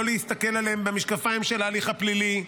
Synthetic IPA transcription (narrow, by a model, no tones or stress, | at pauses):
oleist̪ake̞laleembemiʃkafaimʃe̞laːliχaplili